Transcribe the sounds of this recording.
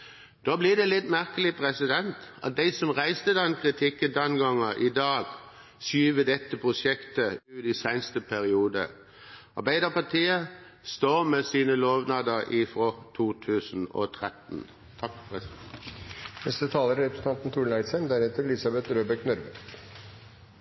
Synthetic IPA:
d̪̥oːblɪd̪ɛlɪt̪ːmæʁkəlɪpʰʁɛsɪd̪ɛnt̪ɑ̰t̪̚d̪ɛɪsɔmʁæɪst̪əd̪ɛnkʰʁɪt̪ʰɪkːənd̪ɛnɡɑŋəʔɪd̪ɑːɡsyːʋəd̪ɛt̪ːəpʰʁʊsɛkt̪əʉːɾɪsæɪnst̪əpʰæɾɪuːd̪ə̰ | ɑ̰ʁbæɪd̪əpɑt̪ʰiːə | st̪oːmɛsiːnəloːʋnɑːd̪əʁʔɪfʁɔt̪ʰuːt̪ʰʉːsn̩ɔ̰t̪ʰʁɛt̪n | t̪ʰɑkpʰʁɛsnɛst̪ət̪ʰɑːləɾɾɛpʰɾəsən̩ʰɑnt̪n̩t̪ʰuːɖɳæɪt̪sæmd̪æɾhɛːt̪əɾlɪsɑbɛt̪ɾøːbɛknœɾʋə

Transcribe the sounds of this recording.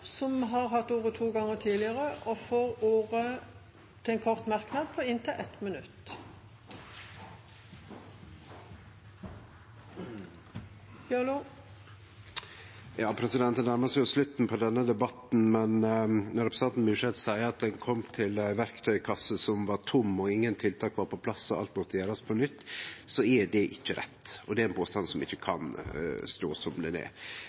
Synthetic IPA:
sɔmɦɑʁɦɑt̪ːoːʁət̪ʰuːɡɑŋːət̪ʰiːlɪəʁəʔɔfoːʁoːʁə | t̪ʰɪɛnkʰɔʁt̪mɑʁknɑːd̪̚pʰɔɪnt̪ʰəʔɛt̪mənʉt̪ | l | jɑːpʰɾɛsɪd̪ɛnt̪ənæɾməsjʊslʉt̪ːn̩pʰɔd̪ɛnːəd̪ɛbɑt̪n̩mɛnnɔɾɛpɾəsɑnt̪n̩mʉːʂɛd̪sæɪəɑt̪̚d̪ɛnkʰɔmt̪ʰɪlʋæɾkt̪ʰœʏkʰɑsːəsɔmʋɑɾt̪ʰʊmːɔɪŋːənt̪ʰɪlt̪ʰɑːkʋɑɾpʰɔpʰlɑsːɔɑ̰lt̪mɔt̪ːəjæːɾɑspʰɔnʏt̪ːsɔɛɖɛʔɪçːəɾɛ̰t̪ːɔd̪ɛæɾɛnpʰoːst̪ɑnsɔmɪçːəkʰɑnst̪o̰ːsɔmd̪ɛnɛ̰

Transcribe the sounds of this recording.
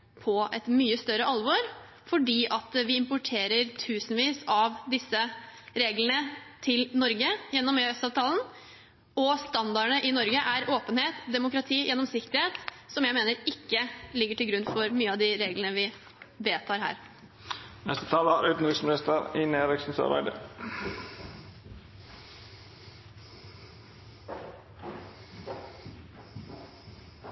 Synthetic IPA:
pʰɔɛ̰t̪myːəst̪œɾəʔɑlʋɔɾ | fɔɖiːʔɑt̪ʋɪɪmpʊʈʰeːɾəɾt̪ʰʉːsn̩ʋiːsɑʋd̪ɪsːəɾeːɡləɳət̪ʰɪlnɔɾɡəjɛnːɔmøːœst̪ɑːʋt̪ʰɑːlən̩ | ɔst̪ɑnd̪ɑəɳəʔɪnɔɾɡəʔæɾʔoːpənheːt̪d̪ɛmʊkɾɑt̪ʰiːjʔɛnːɔmsɪkt̪əɾheːt̪sɔmjæɪmeːnəɾɪkːəlɪɡːəʈʰɪlɡɾʉnfɔɾmyːəɑʋd̪ɪɾeːɡlənəʋɪ | ʋeːt̪ʰɑːɾhæ̰ːɾ | nɛst̪ət̪ʰɑːləhɑɾʉːt̪n̩ɪksmɪnɪst̪əɾineːɾɪksn̩sɑ̰ɾbæ̰ɪd̪ə̰

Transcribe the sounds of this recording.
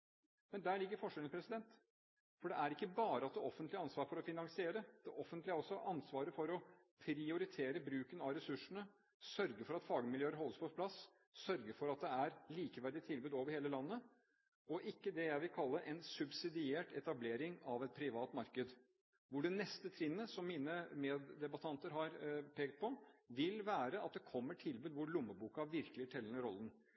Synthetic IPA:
mɛnd̪æːɭɪɡːəɾfɔʂɛlpɾɛsɪd̪ɛnt̪ | fɔɖɛʔæɾɪkːəbɑːɾəɑt̪̚d̪ɛɔfənt̪lɪɑnsʋɑːɾfɔɾɔfɪnɑŋsɪeːɾəd̪̥ɛʔɔfənt̪lɪæɾɔsːɔʔɑnsʋɑːɾəfɔɾɔ | pʰɾɪʊɾɪt̪ʰeːɾəbɾʉːkənɑɾɛsʉʂːəɳə | sœɾɡəɾfɔɾɑt̪fɑːɡəmɪljøːəɾɦɔlːəspʰɔpʰlɑs | sœɾɡəfɔɾɑt̪̚d̪ɛæɾliːkəʋæɖɪt̪ʰɪlbʉːd̪oːʋəɾheːləlɑnːə | ɔʔɪkːəd̪ɛjæɪʋɪlkʰɑlːəʔɛnsʉbsɪd̪ɪeːʈɛt̪ɑbleːɾɪŋɑʋɛt̪̚pʰɾɪʋɑːt̪mɑɾkəd̪ | ʋʊɖɛnɛst̪ət̪ʰɾɪnːəsɔmːiːnəmɛːd̪ːɛbɑt̪ʰɑnt̪əɾɦɑɾpʰeːkt̪̚pʰɔʋɪlʋæːɾəɑt̪̚d̪ɛkʰɔmːəʈʰɪlbʉːd̪ʋʊɭʊmːəbuːkɑɑʋɪɾkəlɪəʈʰɛlənəɾɔlːən

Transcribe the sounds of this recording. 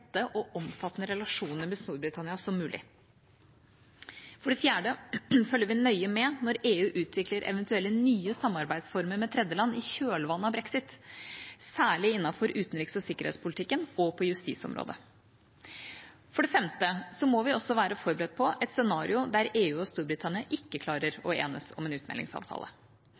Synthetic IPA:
t̪ːəʔɔʔɔmfɑt̪ːnəɾɛlɑʂuːnəɾmɛlsnuːɾbɾɪt̪ʰɑnɪɑsɔmːʉːlʔɪ̰ | fɔɖɛfjæːɖəfœlːəɾʋɪnœʏəmɛnɔɾeːʉːʔʉːt̪ʰʋɪkləɾʔɛ̰ʋənt̪ʉɛlːənyːəsɑmːɑɾbæɪd̪sfɔɾməɾmɛt̪ʰɾɛd̪jəlɑnːɪçøːlʋɑnːəɑbɾɛksɪt̪ | sæːɭɪɪnːɑfɔɾʉːt̪n̩ɾiːksɔsɪkːəɾhɛ̰ːt̪spʰʊlɪt̪ʰɪkːənɔpʰɔjʉst̪ḭːsɔ̰mɾo̰ːd̪ə̰ | fɔɖɛfɛmt̪əsɔmɔʋɪɔsːɔʋæːɾəfɔɾbəɾɛd̪̚pʰɔɛt̪sɛnɑːɾɪʊd̪æɾeːʉːɔst̪uːɾbɾɪt̪ʰɑnɪɑʔɪkːəkʰlɑːɾəɾɔḛːnəsɔ̰mɛːnʉːt̪mɛ̰lɪ̰ŋsɑ̰ːʋt̪ʰɑ̰ːlə̰

